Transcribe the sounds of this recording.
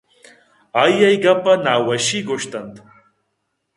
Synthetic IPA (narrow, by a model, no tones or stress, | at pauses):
ajɐjɡɐpɐnaːwɐʃiɡoʃt̪ɐnt̪